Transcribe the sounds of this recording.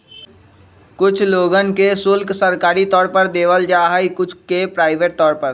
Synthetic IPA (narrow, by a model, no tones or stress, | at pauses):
kʊt͡ʃʰloːɡənkesʊlksəɾkaːɾit̪ɔːɾpəɾd̪eːʋəld͡ʒaːɦəikʊt͡ʃʰkepɾaːɪʋeːʈ̚t̪ɔːɾpəɾ